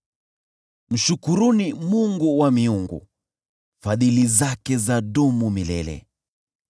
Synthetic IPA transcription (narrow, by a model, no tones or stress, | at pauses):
m̩ʃukuɾunimuŋɡuwamiuŋɡṵ | faðilizakɛzaɗumumilɛ̰lɛ̰